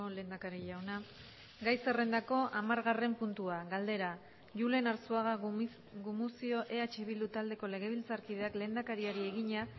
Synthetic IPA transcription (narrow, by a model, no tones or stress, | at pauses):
ole̞ːnd̪akaɾiʎawna | ɡajse̞re̞nd̪ako̞ʔamaɾɣare̞mpunt̪uaɣald̪e̞ɾa | ʝule̞naɾsuaɣa | ɣumusio̞ʔe̞at͡ʃe̞βild̪ut̪ald̪e̞ko̞le̞ɣ̞e̞β̞ilt͡saɾkiðe̞akle̞ːnd̪akaɾiaɾie̞ɣiɲa